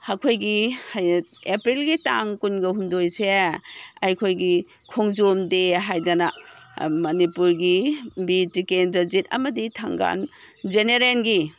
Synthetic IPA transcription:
hakʰojɡihjepɾilɡitaŋkunɡɐɦundojse | ɐjkʰojɡikʰoŋzomdeɦajdanɐmɐnipuɾɡibitikendɾɐzit̚ɐ̰mɐditʰa̰ŋɡa̰nd͡ʒeneɾenɡi

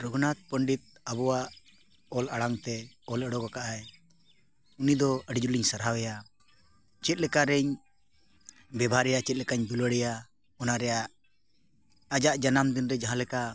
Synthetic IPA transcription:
ɾɔɡnat̪̚pəɳɖit̪̚abɔwaʔ | ɔlaɽaŋt̪ɛ | ɔləɽɔkɔkaʔaj | unid̪ɔəɖid͡ʒuliɲsəɾɦawɛja | t͡ʃɛt̪̚lɛkaɾɛɲ | bɛbʱaɾɛjat͡ʃɛt̪̚lɛkaɲd̪uləɽɛja | ɔnaɾɛjaʔ | ad͡ʒaʔd͡ʒanamd̪inɾɛd͡ʒaɦãlɛka

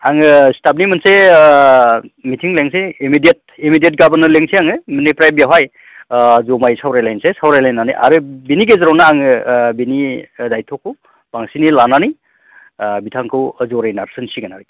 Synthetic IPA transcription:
aŋɯstap̚nimɯnse | mitʰiŋleŋseimidiet̚imidijet̚ɡabanɯleŋseaŋɯminipɾajbijaɦaj | zomajsawɾajlajnsesawɾajlajnːanḭjʔa̰ɾɯbiniɡezɯɾawnaaŋɯbinidajtʰɔku | b̥aŋsinilananij | bitʰaŋkʰɯwəzɔɾajnaɾsɯnsiɡanaɾɯ

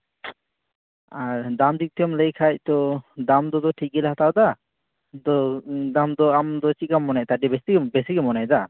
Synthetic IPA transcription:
aɾd̪amd̪ik̚t̪ijɔmləjkʰac̚ˀt̪ɔd̪amd̪ɔd̪ɔʈʰiɡɛlhat̪ad̪a | d̪ɔd̪amd̪ɔamd̪ɔt͡ʃikamːɔnɛt̪aɖɛbɛsibɛsiɡɛmɔnad̪a

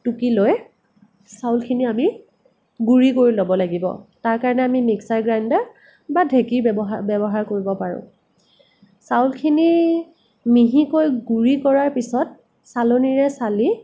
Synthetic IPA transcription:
tukiloj | sawlkʰiniami | ɡuɹikoɹilobɔlaɡibɔ̰taɹkaɹɔnɛamimiksaɹɡɹandaɹ | badʱekiɹbɔɦbɛbɔɦaɹkoɹibɔpaɹʊ̰̃ | sawlkʰini | miɦikojɡuɹikɔɹaɹpisɔt̚ | saloniɹɛsali

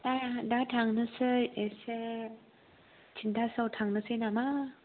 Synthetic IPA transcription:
dadatʰaŋnɯsɯjese | t͡ʃʰindasawtʰaŋnɯsɯjnama

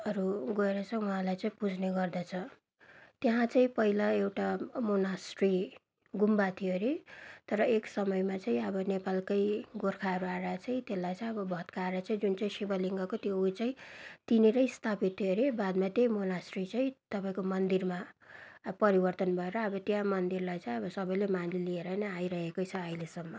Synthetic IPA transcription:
ʌɾuɡʌeɾʌt͡sʌuɦãlajt͡saĩpud͡zʱneɡʌrd̪at͡sʰʌ | t̪jaɦãt͡saĩpʌilaewʈamonasʈri | ɡumbat̪ʰiʌɾet̪ʌɾʌeksʌmʌjmat͡saĩʌbʌnepalkʌjɡorkʰaɦʌɾuaɾat͡saĩt̪elːajt͡sãʌbʌbʱʌt̪kʰaːɾat͡saĩd͡zunt͡saĩsibʌliŋɡʌkot̪jout͡saĩt̪iniɾʌjst̪ʰapit̪ʰːijoɾibad̪̚mat̪ejmonasrit͡saĩt̪ʌpaĩkomʌnd̪irma | pʌɾibʌrt̪ʌnbʱʌeɾʌːbʌt̪jãmʌnd̪irlajt͡saĩʌbʌsʌbʌjlemanlilieɾʌnʌaiɾʌɦekʌjt͡sʰʌːjlesʌmːʌ

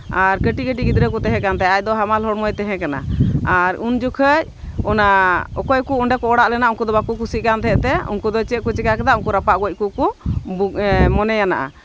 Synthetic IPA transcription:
aɾkəʈikəʈ̬iɡid̪ɾekut̪ɛɦɛ̃kant̪ajajd̪ɔɦamalɦɔɽmɔjt̪ɛɦɛ̃kana̰aɾund͡ʒukʰəc̚ | ɔnaɔkɔjkuuɳɖɛkɔɔɽaʔlɛnaʔuŋkud̪ɔbakukusiʔ̚kant̪ʰɛʔt̪ɛṵnkud̪ɔjt͡ʃəʔ̪̚kut͡ʃɛkakɛd̪aʔunkuɾapaʔɡɔc̚ˀkuku | mɔnɛjana̰ʔa̰

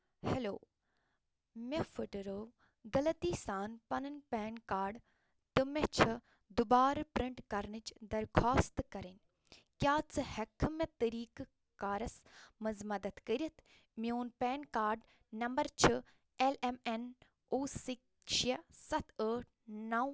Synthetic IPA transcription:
helo̰ː | mefəʈəɾəʋ | ɡɐlɐt̪iːsaːnpɐnɐnpeːnkaːɾɖ | t̪ɨmet͡ʃʰɐ | d̪ubaːɾpɾɪɳʈkɐɾnɨt͡ʃd̪ɐɾkʰaːst̪kɐɾin | kjaːt͡sɨhɐkʰmɐt̪ɐɾiːk | kaːɾɐsmɐzmɐd̪ɐt̪kəɾʲɐt̪ʰ | mioːnpeːnkaːɾɖ | nɐmbɐɾt͡ʃʰɨ | elemen | oːsik | ʃɐsɐt̪ʰəːʈ̚ʰnaw

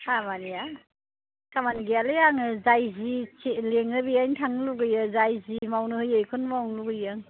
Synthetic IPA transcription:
hamanija | kamanɡealɯjaŋɯzajzit͡ʃeleŋɯbijajŋtʰaŋluɡɯjɯzajzimawnɯhɯjɯjkʰɯnmawŋluɡɯjaŋ

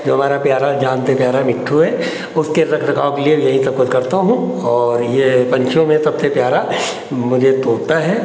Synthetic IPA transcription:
d͡ʒoːɦɐmaːɾapjaːɾad͡ʒaːnt̪epjaːɾamɪʈʰːuɛ | ʊskeɾɐkʰɾɐkaːõkeliejɐɦĩsɐb̚kʊt̪kɐɾt̪aɦũɔːɾjepɐ̃ɲt͡ʃʰjõmẽsɐbsepjaːɾa | mʊd͡ʒʱet̪oːt̪aɦɛː

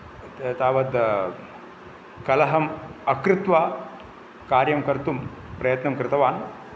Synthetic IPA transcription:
t̪aːʋɐd̪ | kɐlɐɦɐmɐkɾɪt̪ʋaː | kaːɾjɐmkɐɾt̪um | pɾɐjɐt̪nɐmkɾɪt̪ɐʋaːn

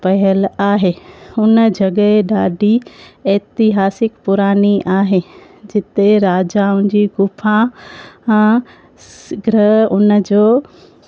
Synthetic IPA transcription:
pɐɦəlaːɦeːʊnəd͡ʑɐɡəeɗaːɖiɛːt̪ɪɦaːsɪkpʊɾaːniʔaːɦe | d͡ʑɪt̪eɾaːd͡ʑaːʊ̃nd͡ʑiːɡʊfʰã | ɡɾəɦʊnə̆d͡ʑoː

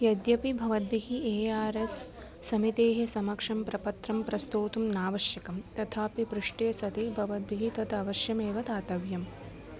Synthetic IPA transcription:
jɐd̪jɐpibʱɐʋɐd̪̚biɦieːaːɾesː | ɐmit̪eːɦesɐmɐkʂɐmpɾɐpɐt̪ɾɐmpɾɐst̪oːt̪umnaːʋɐʃjɐkɐmt̪ɐt̪ʰaːpipɾɪʂʈeːsɐt̪ibʱɐʋɐd̪̚biɦit̪ɐt̪ɐʋɐʃjɐmeːʋɐt̪aːt̪ɐʋjɐm

